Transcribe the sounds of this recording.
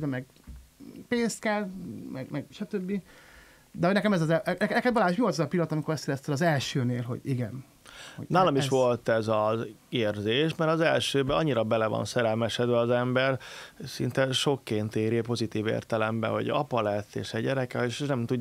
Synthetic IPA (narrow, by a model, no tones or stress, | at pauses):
bɛmɛɡ | peːnst̪̚kɛlmɛ̰ɡmɛɡʃɒt̪øbːi | d̪ɛɦoɟnɛkɛmɛzɒzɛʔɛknɛkɛt̪bɒlaːʃ̬miot̪ɛzɒpilːɒt̪ɒmiko̞ɾɛst̪jɛɾɛst̪elɒzɛlʃøːneːlɦo̞̰ɟiɡɛn | o̰naːlɒmiʃʋo̞lt̪ɛzɒzeːrzeːʃmɛɾɒzɛlʃøːbɒɲːiɾɒbɛlɛvɒ̰nsɛɾɛlmɛʃɛd̪bɛɒzɛmbɛrsḭnt̪ɛʃo̞kːeːnt̪eːɾipo̞zit̪iːvḛːrt̪ɛlɛmbɛ̰ɦo̰ɟɒ̰pɒlɛt̪ːḛːʃɛɟːɛɾɛkɛeʃnɛmt̪uɟ